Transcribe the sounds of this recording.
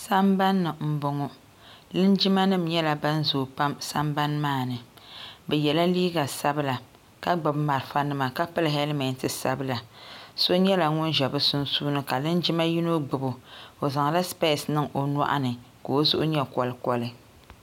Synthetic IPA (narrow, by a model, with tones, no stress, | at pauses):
sa˦mba˦nːɨ˨m̩˦bʊ˨ŋɔ˦ | lɨ˦nd͡ʒi˦ma˦nɨ˦m˨ɲɛ˦la˨ba˦n˦zoː˨pa˦msa˦mba˦nmaː˦˨nɨ˨bɛ˨jɛ˨la˦liː˦ɡa˨sa˦bɨ˦la˨ | ka˦ɡ͡ba˨bma˨ɾɨ˨fa˦nɨ˦ma˨ka˦pɨ˦lɦɛ˦lmɛ˨ntɨ˨sa˦bɨ˦la˨so˦ɲɛ˦la˨ŋʊ˦nʒɛ˨bɨ˦sʊ˦n˦suː˦nɨ˦ka˨lɨ˦nd͡ʒi˦ma˦ji˦no˦ɡ͡bɨ˨bʊ˨o˨za˨ŋa˨la˦spe˦˨snɨ˦ŋʔo˨na̰˦ʔa̰˦nɨ˨ | ko˨o˦zʊ̰˦ʔʊ˦ɲɛ˦kɔ˨lɨ˦kɔ˨lɨ˦